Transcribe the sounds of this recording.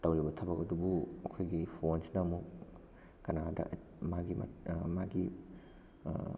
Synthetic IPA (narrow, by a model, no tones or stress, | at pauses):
tɐwɾibɐtʰɐbɐkɐdubuɐkʰojɡipʰonsnɐmuk̚ | kɐnadɐ̰ | maɡimɐ̰maɡi